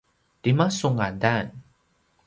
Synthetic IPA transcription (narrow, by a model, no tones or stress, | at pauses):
timasuŋandan